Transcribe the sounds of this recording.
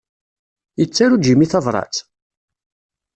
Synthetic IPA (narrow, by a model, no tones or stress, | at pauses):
jət͡sːaɾud̪imiθɑvɾˤɑ̰t͡s